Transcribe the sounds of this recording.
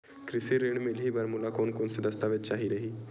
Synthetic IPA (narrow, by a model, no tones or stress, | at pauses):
kɾɪsiɾeːɳ̃mɪlɦibɐɾmʊlakoːnkoːnsɪd̪əst̪aʋɪt͡ʃt͡ʃaːɦiɾəɦiː